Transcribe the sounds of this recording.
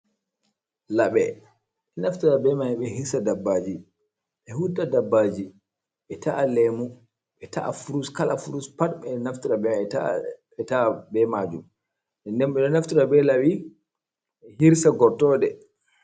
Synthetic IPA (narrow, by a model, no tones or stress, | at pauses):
laɓɛ | ɛnaftiɾabɛmaiɓɛhiɾsadabːad͡ʒi | ɓɛhudadabːaːd͡ʒi | ɓɛtaʔalɛmu | ɓɛta̰ʔa̰fuɾuskalafuɾuspatɓɛnaftiɾabɛɛa | ɛtabɛmad͡ʒum | ɛndɛnɓɛɗɔnaftiɾabɛlawi | ɛhiɾsaɡɔɾtɔdɛ